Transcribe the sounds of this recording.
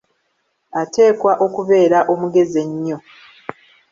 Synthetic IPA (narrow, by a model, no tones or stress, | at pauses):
atʰe̞ːkwaʔo̞kuβe̞ːɾaʔo̞muɡe̞zeɲːo